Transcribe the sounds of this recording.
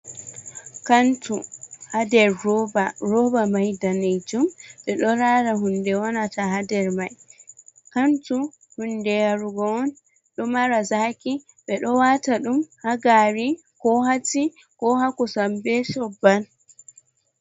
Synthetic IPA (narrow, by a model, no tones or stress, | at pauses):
kantuhadɛɾːɔbaɾɔbamajdaned͡ʒumɓɛɗɔɾaːɾaɦundɛwanataɦadɛɾmaj | kantu | hundɛjaɾuɡɔɔn | ɗɔmaɾazaki | ɓɛɗɔwataɗumhaɡaɾi | kɔɦati | kɔhakɔsambɛsɔbːan